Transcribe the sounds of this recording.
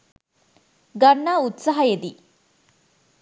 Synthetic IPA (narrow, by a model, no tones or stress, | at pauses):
ɡɐɳːaːut̪saɦɐed̪i